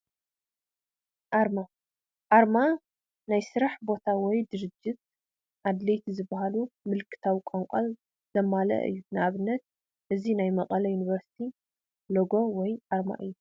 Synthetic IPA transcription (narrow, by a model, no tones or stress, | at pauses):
ʔaɾma | ʔaɾma | najsɨɾaħbo̞t̪ʰawɔjd̪ɨɾɨd͡ʒːɪt̪̚ | ʔad̪lejt̪ʰizɨbːaɦalumɨlkʰɨ̥t̪ʰawikʼoŋkʷʼɐl | z̥ɐmːalɐ̰ʔɨ̰jːunɨʔaβɨnːɐt̪̚ | ʔɨzinajmɐqʼɐlɐjuniβɐɾsi̥t̪ʰi | loɡo̞wɔjʔaɾma̰ʔɨ̰jːu